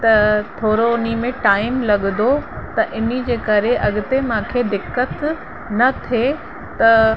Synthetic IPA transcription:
t̪ɐt̪ʰoːɾoʊnimẽʈaːɪmlɐɠd̪ot̪ɐʔɪnid͡ʑeːkɐɾeʔɐɠɪt̪emãːkʰed̪ɪkːət̪ | nɐt̪ʰe | t̪ɐ

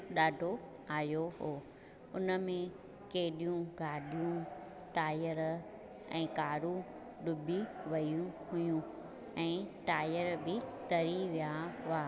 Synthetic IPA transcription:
ɗaːɖʱo | aːjoɦoː | ʊnə̆mẽ | keɦɗijũɡʱaːɗijũ | ʈaːjəɾ | ɛ̰̃ːkaːɾũ | ɗʊbʱiʋɐjũhʊjũ | ɛ̃ːʈaːjəɾbɪt̪ɐɾiʋijaɦʊaː

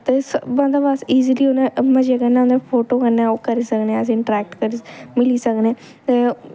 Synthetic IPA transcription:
t̪esbãnd̪aːbasiːziliːonẽmə̃d͡ʒeːɡənːãːnd̪epʰoːʈoːkənaokəɾiːsəkneəs̬ĩːɪɳʈɾɛːk̚ʈkəɾimɪliːsəkneː | t̪e

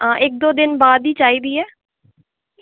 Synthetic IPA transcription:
ãːʔɪk̚d̪oːd̪ɪnbaːd̪iːt͡ʃaːiːd̪iːɛː

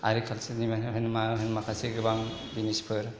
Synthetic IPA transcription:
a̰ɾikʰalsenimaɦɯnmaɦɯnmakʰaseɡɯbaŋ | binispʰɯɾ

